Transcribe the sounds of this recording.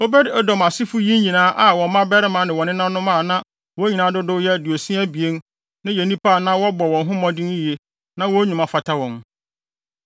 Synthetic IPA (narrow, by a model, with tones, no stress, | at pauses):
o˦bɛ˦dɔ˦dɔ˨m˨a˨sɪ˦fʊ˦ji˦n˦ɲĩ˨nãː˨˦ʔa˨wɔ̃˨˦mã˦bɛ˦ɾɪ˦mã˨nɪ̃˨wɔ̃˨nɪ̃˦nã˦nʊ̃˦mã˦˨nã˦ | wɔ̃˦ɲĩ˨nã˨˦dʊ˦dʊ˦jɛ˦du˨o˨sĩ˦æ˦bi˨e˦n | nã˦je˨nĩ˦pa˦˨nã˦wɔ˦bɔ˨wɔ̃˨nɦʊ̃˦mɔ̃˦dɪ̃˦n˦ji˨e˨ | nã˦wɔ˦ɲᶣũ˨mã˨fa˨tʰa˦wɔ̃˨n